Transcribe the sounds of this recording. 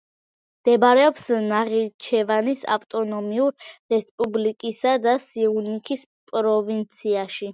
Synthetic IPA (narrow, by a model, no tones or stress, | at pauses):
d̪̥ɛbaɾɛɔpsnaʁit͡ʃʰɛvanisa̰ft̪ʼɔnɔmiuɾːɛspʼublikʼisad̪asiunikʰis | pʼɾɔvint̪sʰiaʃi